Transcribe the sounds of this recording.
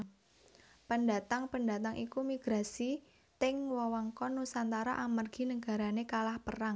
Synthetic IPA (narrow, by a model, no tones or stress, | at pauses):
pəndat̪aŋpənda̤t̪aŋʔikumiɡ̥ɾa̤si | t̪ɪŋwɔwaŋkɔnusant̪aɾaʔamərɡ̥i̤nəɡ̥a̤ɾanekalahpəraŋ